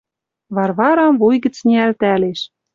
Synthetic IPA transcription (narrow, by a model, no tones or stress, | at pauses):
βɑrβɑɾɑmvujɣə̆t͡sneælt̪æleʃ